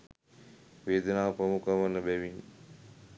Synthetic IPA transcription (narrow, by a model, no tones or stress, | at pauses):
ʋeːd̪ənaːpɾəmukəʋənəɓɛʋin